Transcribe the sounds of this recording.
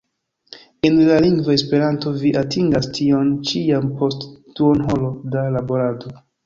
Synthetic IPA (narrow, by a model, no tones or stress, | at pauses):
enlaliŋɡvae̞spe̞ɾanto̞viʔatʰiŋɡastʰio̞nt͡ʃiampʰo̞stː | uonɦo̞lo̞dalabo̞ɾado̞